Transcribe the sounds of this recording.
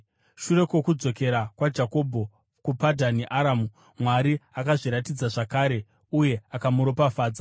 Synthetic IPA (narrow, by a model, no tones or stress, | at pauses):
ʃure̞kwokud͡zo̞ke̞ɾakwad͡ʒako̞ːbʱo̞ | kupadʱaniʔaɾaːmu | mwaɾiakaʐiɾatid͡zaʐakaːɾe̞ | uje̞akamuɾo̞pafaːd͡za